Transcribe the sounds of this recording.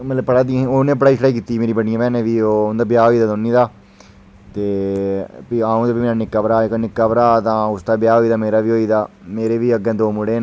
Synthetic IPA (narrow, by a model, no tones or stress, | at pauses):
mət̪ləbpəɽaːd̪ĩonẽːp̬əɽaːiːsʰɽaːikiːt̪iːmeːɾiːbəɽijãpɛːnẽːʋiːoːʊnd̪aːbjaːɦoːiːd̪aːd̪onĩːd̪aː | t̪eː | piaːũːd̪aːbiːmeːnaːnɪkːaːpəɾaːeknɪkːaːpəɾaːt̪ãːʊst̪aːbɪjaːɦoːiːd̪aːmeːɾaːʋiːɦoːiːd̪aː | meːɾeːʋiːəɡẽːd̪oːmʊɽeː